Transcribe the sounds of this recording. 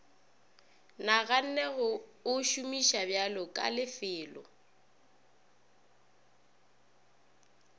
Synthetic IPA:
naɣan̩nɛɣʊʊʃumiʃabjalɔkʼa̰lɪfɪːlɔ̰

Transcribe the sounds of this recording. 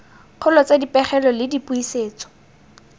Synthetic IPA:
q͡χʰʊlɔt͡sedipɛχɛlɔlɪdipʼuiseːt͡sɔ̥

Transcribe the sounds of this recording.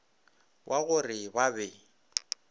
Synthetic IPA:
wʔaɣʊrɪbabɛ

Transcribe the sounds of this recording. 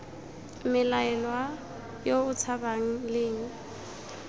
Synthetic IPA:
mɪlaɛlwa | joʊt͡sʰabaŋ̩lɪːŋ̩

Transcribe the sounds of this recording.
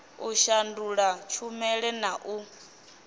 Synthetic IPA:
uʃanduɺat͡ʃʰumɛɺɛnaʔu

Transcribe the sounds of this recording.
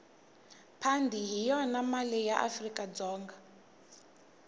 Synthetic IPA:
pʰandʱiɦijɔnamalɛjaʔa̰frikʼad͡zɔːŋɡa

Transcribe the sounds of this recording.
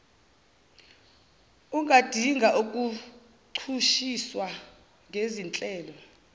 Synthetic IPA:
uŋʱad̥ʱiŋɡʱaʔuk̬ʼu | ǀʰuʃiswa | ŋʱezint͡ɬʼɛːlɔ

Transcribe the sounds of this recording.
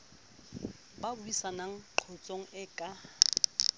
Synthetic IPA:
babʊisanaŋ̩ǃʰɔt͡sʼoŋ̩ɪkʼa

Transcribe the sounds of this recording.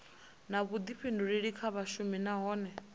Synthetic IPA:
naβud̪iɸʰenduɺiɺikʰaβaʃuminaɦɔːnɛ

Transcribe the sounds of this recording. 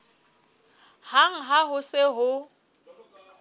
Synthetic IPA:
haŋ̩ɦaɦʊsɪɦʊ

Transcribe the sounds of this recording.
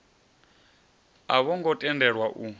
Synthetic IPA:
aβɔŋɡɔtʼɛndɛɺwaʔu

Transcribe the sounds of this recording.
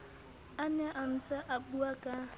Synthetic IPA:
anɛʔam̩t͡saʔak͡puaka

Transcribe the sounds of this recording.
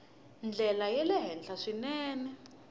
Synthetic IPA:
nd͡ɮʱɛlajɛlɛɦɛnd͡ɮʰaʂinɛːnɛ

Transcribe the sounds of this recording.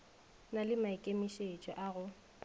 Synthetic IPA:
nalɪmaɪkʼemiʃet͡ʃʼɔʔaɣʊ

